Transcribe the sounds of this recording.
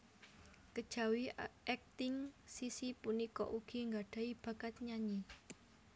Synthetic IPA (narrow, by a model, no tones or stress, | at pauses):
kəd̥ʒ̥a̤wiʔɛk̚t̪ɪŋsisipunikɔ̰ʔuɡ̥i̤ŋɡaɖ̥ä̤ib̥ä̤kat̪̚ɲaɲi